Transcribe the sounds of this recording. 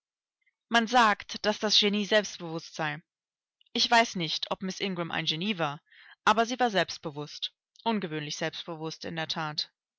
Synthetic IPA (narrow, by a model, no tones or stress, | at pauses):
manzaːktd̥asd̥asʒ̥eniːzɛlpstb̥əvʊstz̥aɪ | ʔɪçv̥aɪsnɪçtʰʔɔpmɪsʔɪŋɡʁʊmʔa̰ɪnʒeniːvaːɐ | ʔaːbɐziːvaːɐzɛlpst̚b̥əvʊst | ʔʊnɡəvøːnlɪçz̥ɛlpst̚b̥əvʊstɪ̰ndeːɐtʰaːt